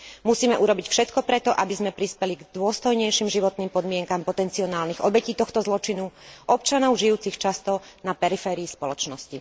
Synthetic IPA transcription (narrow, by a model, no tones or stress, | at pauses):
musiːmɛʔuɾɔbicfʃɛt̪kɔpɾɛt̪ɔʔabizmɛpɾispɛliɡd̪ʊɔst̪ɔjɲɛjʃimʒiʋɔt̪niːmpɔd̪mɪɛŋkampɔt̪ɛnt͡siɔnaːlniɣɔbɛciːt̪ɔxt̪ɔzlɔt͡ʃinuʔɔpt͡ʃanɔʊʒijuːt͡sixt͡ʃast̪ɔnapɛɾifɛːɾiːspɔlɔt͡ʃnɔsci